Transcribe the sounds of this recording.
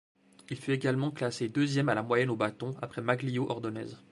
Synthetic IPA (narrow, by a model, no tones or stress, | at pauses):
ilfyeɡalmɑ̃klased̪øzjɛmalamwajɛnobat̪ɔ̃apχɛmaɡlijoʔɔʁd̪ɔnɛ̰ːz